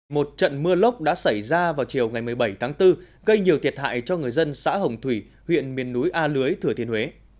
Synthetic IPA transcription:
mo˨˩t̚t͡ɕə̰˧˨nmɨ˧ələ˦˥wk͡p̚ɗa̰ː˧˥sa˧˩jzaː˧vaː˨˩wt͡ɕi˨˩əwŋa˨˩jmɨ˨˩əjɓə˧˩jt̪ʰaː˨˦ŋt̪ɨ˧ | ɣə˧jɲi˨˩əwt̪ʰi˨˩t̚ha̰ː˧˨jt͡ɕɔ˧ŋɨ˨˩əjzə˧nsa̰ː˧˥ɦə˨˩wŋ͡mt̪ʰwi˧˩ | hwḭ˧˨ənmi˨˩ənːu˨˦jʔaː˧lɨ˨˦əjt̪ʰɨ˨˩ət̪ʰi˧əhwe˨˦

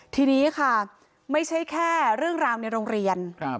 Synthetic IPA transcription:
t̪ʰiː˧niː˦˥kʰa˥˩ | ma˥˩jt͡ɕʰa˦˥jkʰɛː˥˩ɾɯ˥˩əŋɾaː˧wna˧jɾoː˧ŋɾi˧ən

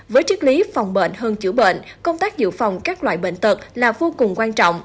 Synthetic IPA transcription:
vəː˨˦jt͡ɕɨ˦˥k̚li˨˦fa˨˩wŋ͡mɓḛ˧˨nɦəː˧nt͡ɕɨ̰˧˩ɓḛ˧˨nkə˧wŋ͡mt̪aː˦˥k̚zɨ̰˧˨fa˨˩wŋ͡mkaː˦˥k̚lwa̰ː˧˨jɓḛ˧˨nt̪ɨ˨˩k̚laː˨˩vo˧kʊ˨˩ŋ͡mkwaː˧nt͡ɕɔ̰˧˨wŋ͡m

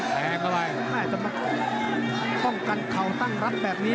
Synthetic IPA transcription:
ɛː˧˩ka˧˩wa˧j | aː˧˩t͡ɕa˧˦ma˧˥˩ | pɔ˥˩ŋka˧nkʰa˨˩˦wt̪a˥˩ŋɾa˦˥p̚bɛː˨˩p̚niː˦˥

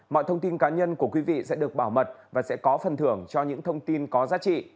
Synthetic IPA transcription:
mɔ̰˧˨t̪ʰə˧wŋ͡mt̪i˧nkaː˨˦ɲə˧nku˧˩əkwi˨˦vḭ˧˨sɛ̰˧˥ɗɨ˨˩ək̚ɓaː˧˩wmə˨˩t̚vaː˨˩sɛ̰˧˥kɔ˨˦fə˨˩nt̪ʰɨ˧˩əŋt͡ɕɔ˧ɲɨ̰˧˥ŋt̪ʰə˧wŋ͡mt̪i˧nkɔ˨˦zaː˨˦t͡ɕḭ˧˨

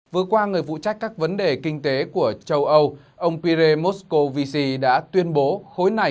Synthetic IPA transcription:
vɨ˨˩ətkwaː˧ŋɨ˨˩əjvṵ˧˨t͡ɕa˦˥jk̟kaː˦˥k̚və˨˦nɗe˨˩kï˧ŋ̟t̪e˨˦ku˧˩ət͡ɕə˧wʔə˧w | ʔə˧wŋ͡mpi˧ɾe˧mo˦˥tsko˧vi˧si˧ɗa̰ː˧˥t̪wi˧ənɓo˨˦xo˨˦jna˨˩

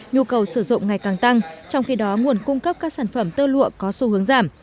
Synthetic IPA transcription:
ɲu˧kə˨˩wsɨ˧˩zʊ̰˧˨ŋ͡mŋa˨˩jkaː˨˩ŋt̪a˧ŋt͡ɕɔ˧wŋ͡mxi˧ɗɔ˨˦ŋu˨˩ənkʊ˧ŋ͡mkə˦˥p̚kaː˦˥k̚saː˧˩nfə˧˩mt̪əː˧lṵ˧˨əkɔ˨˦su˨˦hɨ˨˦əŋzaː˧˩m

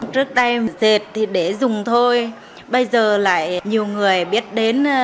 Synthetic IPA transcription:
t͡ɕɨ˦˥ək̚ɗə˧jze˨˩t̚t̪ʰi˨˩ɗe˧˩zʊ˨˩ŋ͡mt̪ʰo˧j | ɓə˧jzəː˨˩la̰ː˧˨jɲi˨˩əwŋɨ˨˩əjɓi˦˥ət̚ɗe˨˦n

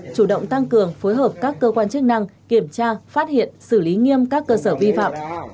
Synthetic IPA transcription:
t͡ɕu˧˩ɗə̰˧˨wŋ͡mt̪a˧ŋkɨ˨˩əŋfo˨˦jɦəː˨˩p̚kaː˦˥kːəː˧kwaː˧nt͡ɕək̚na˧ŋki˧˩əmt͡ɕaː˧faː˦˥t̚hḭ˧˨ənsɨ˧˩li˨˦ŋi˧əmkaː˦˥kːəː˧səː˧˩vi˧fa̰ː˧˨m

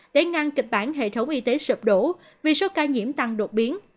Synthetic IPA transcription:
ɗe˧˩ŋa˧ŋkï˨˩k̟̚ɓaː˧˩nɦḛ˧˨t̪ʰə˨˦wŋ͡mʔi˧t̪e˨˦sɨ˨˩p̚ɗo˧˩˥ | vi˨˩so˨˦kaː˧ɲḭ˧˩əmt̪a˧ŋɗo˨˩t̚ɓi˨˦ən

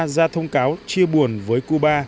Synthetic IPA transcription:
zaː˧t̪ʰə˧wŋ͡mkaː˨˦wt͡ɕi˧əɓu˨˩ənvəː˨˦jku˧ɓaː˧

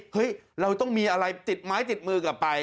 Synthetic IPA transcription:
hɤ˦˥jɾa˧wt̪ɔ˥˩ŋmiː˧ʔa˧ɾa˧jt̪i˨˩t̪̚maː˦˥jt̪i˨˩t̪̚mɯː˧kaː˨˩p̚pa˧j

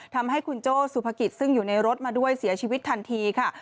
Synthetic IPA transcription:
t̪ʰa˧mha˥˩jkʰu˧nt͡ɕoː˥˩su˨˩pʰa˧ki˨˩t̪̚sɯ˥˩ŋjuː˨˩na˧jɾo˦˥t̪̚maː˧du˥˩əjsi˨˩˦ɐt͡ɕʰiː˧wi˦˥t̪ʰːa˧nt̪ʰiː˧kʰa˥˩

